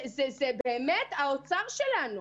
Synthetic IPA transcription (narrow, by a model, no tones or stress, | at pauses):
zɛzɛbeːmetaot͡saʁʃelanu